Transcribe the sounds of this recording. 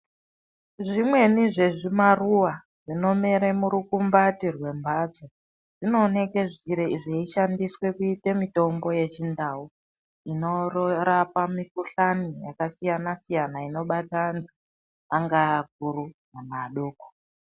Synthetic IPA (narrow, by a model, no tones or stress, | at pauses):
ʐimwe̞niʐe̞ʐimaruwa | ʐino̞me̞ɾemuɾukumbatirwe̞mbʱad͡zo | ʐ̥ino̞ːne̞ke̞ʐiɾeiʐeiʃandiswe̞kuite̞mito̞mbo̞je̞t͡ʃindau | ino̞rɾapamikuɬanijakasijanasijanaino̞ɓataːntʰu | aŋɡaːk̚uɾunamaɗoːko̥